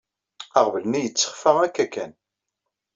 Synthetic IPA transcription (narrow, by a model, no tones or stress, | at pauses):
æʁvəlnijət͡sːə̥χfəʁækːækːæn